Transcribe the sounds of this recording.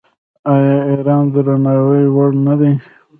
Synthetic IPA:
ajɑeɾɑːnd̪əɾanɑwəjwaɽnad̪e

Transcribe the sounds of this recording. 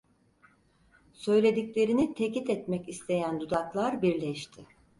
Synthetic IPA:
sø̞jlʲe̞d̪iclʲe̞ɾinit̪ʰecit̪ɛt̪mɛcist̪ʰe̞jænd̪ud̪aklˠaɾbiɾlʲɛʃt̪ʰɪ

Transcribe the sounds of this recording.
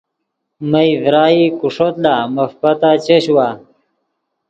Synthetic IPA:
məjvɾaːikuʂot̪laməfpat̪at͡ɕeɕwa

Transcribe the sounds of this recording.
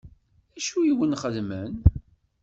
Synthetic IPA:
æʃujiwənχəðmən

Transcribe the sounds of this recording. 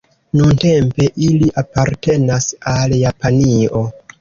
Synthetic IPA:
nunte̞mpe̞ʔiliʔapaɾte̞nasaljapanio̞

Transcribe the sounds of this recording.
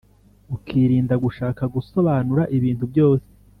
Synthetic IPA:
ukʰiɾiːndaɡuʃaːkaɡuso̞βaːnuɾaʔiβiːntubjo̞ːse̥

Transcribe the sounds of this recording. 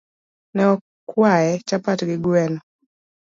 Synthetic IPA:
nɛɔ | kwajɛt͡ʃapatɡɪɡwɛnɔ

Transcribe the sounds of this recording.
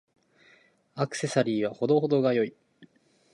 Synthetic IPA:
akɯ̟̥se̞saɾʲiːβaho̞d̪o̞ɦo̞d̪o̞ɡajo̞i

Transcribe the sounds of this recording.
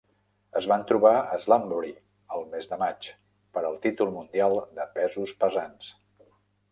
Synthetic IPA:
əzβant̪ɾuβaəzlambuɾi | əlˠmezðəmat͡ʃ | pəɾəlˠt̪it̪ulˠmund̪ialˠd̪əpɛzuspəzans

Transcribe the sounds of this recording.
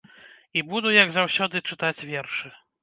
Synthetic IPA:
ibud̪ujɐɡzɐwsʲɔd̪ɨt͡ʂɨt̪at͡sʲvʲɛrʂɨ

